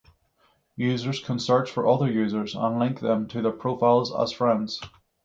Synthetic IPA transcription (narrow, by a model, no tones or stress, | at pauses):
jʉzə˞z̥kʰə̃nsɜ˞t͡ʃfə˞ʔʌðə˞jʉːzə˞zə̰̃nlˠɪ̃ŋk̚ðə̃mtʰɨðə˞pʰɹ̥ofaɪlˠzə̰z̥fɹɛ̃ndz̥